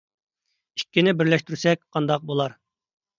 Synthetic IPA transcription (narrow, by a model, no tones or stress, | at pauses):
ikʲːinɪbɪɾlɛʃt̪yɾsɛk̚ʲqʰɑnd̪ɑq̚bolˠɑɾ